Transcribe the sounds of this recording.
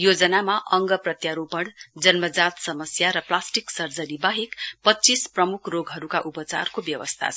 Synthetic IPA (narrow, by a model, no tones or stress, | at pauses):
jod͡zʌnamaʔʌŋɡʌprʌt̪jaɾopʌɽd͡zʌnmʌd͡zat̪sʌmʌsjaɾʌplasʈiksʌrd͡zʌnibaɦikpʌtːt͡sisprʌmukʰroɡɦʌɾukaʔupʌt͡sa̰rkobjʌwʌ̰st̪ʰa̰t͡sʰ